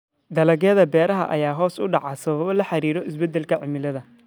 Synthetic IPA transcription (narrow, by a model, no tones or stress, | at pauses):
d̪ɐlɐɣɛðɐbɛːɾɐɦɐ̰ʔɐ̰jaːɦɔːsʊɖɑʕasɐβɐβɐlɐħɑɾiːɾɔʔɪsbɛd̪ːɛlkʰɐʕɪmɪlɐðɐ